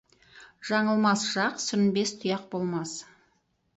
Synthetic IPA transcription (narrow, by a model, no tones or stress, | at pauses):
ʒ̥ɑɴəlˠmɑsʒ̥ɑqsʏnbe̞st̪ʰʊjɑq̚bo̞lˠmɑs